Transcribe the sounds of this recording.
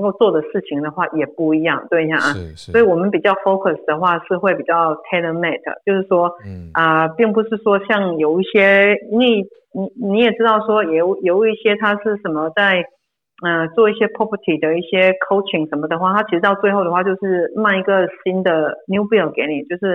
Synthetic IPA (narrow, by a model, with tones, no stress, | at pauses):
ə˧ŋko˥˧ʊt͡swɔ˥˩d̪ə˩ʂɻ̩˥˩t͡ɕʰi˨˩ŋd̪ə˨xwa˥˩jɛ˨˩pu˥˩i˧˥jɑ˥˩ŋt̪we˥˩ɪi˧˩a˨˩ŋ˧˩swɔ˧˥i˨˧wɔ˨˩mə˨˦npi˨˩t͡ɕjɑ˥˩ʊfo˥ʊkʰə˨˩sd̪ə˩˦xwa˥˧ʂɻ̩˥˧xwe˥˩ɪpi˨˩t͡ɕjɑ˥˩ʊt̪ʰe˥ɪd̪ə˧me˥˩t̪̚ə̰˩t͡ɕjo˥˧ʊʂɻ̩˥˩ʂwɔ˥ə˧˩pi˥˩ŋp̬u˧ʂɻ̩˥˩ʂwɔ˥ɕjɑ˥˩ŋjo˨˩ʊi˥˩ɕjɛ˥i˥nwe˥˩ɪ | ni˨˧˥ni˧˥jɛ˨˩ʈ͡ʂɻ̩˥t̪ɑ˥˩ʊʂwɔ˥jɛ˨˩ʊjo˨˧˩ʊi˥˩ɕjɛ˥t̪ʰa˥ʂɻ̩˥˩ʂə˨˩nmə˦t͡sa˥˧ɪ | ə˧t͡swɔ˥˧i˥˩ɕjɛ˥pʰɔ˥pʰə˧˥t̪ʰi˨˩d̪ə˩i˥˩ɕjɛ˥kʰo˥ʊt͡ʃʰi˨˩ŋʂə˧˥nmə˧d̪ə˨xwa˥˩t̪ʰa˥t͡ɕʰi˧˥ʂɻ̩˧˥t̪ɑ˥˧ʊt͡swe˥˧ɪxo˥˩ʊə˩xwa˥˩t͡ɕjo˥˧ʊʂɻ̩˥˧ma˥˩ni˧˥ɡə˨ɕi˥nd̪ə˨nju˥bi˥˩ə˨˩ke˨˧˥ɪni˨˩t͡ɕjo˥˧ʊʂɻ̩˥˩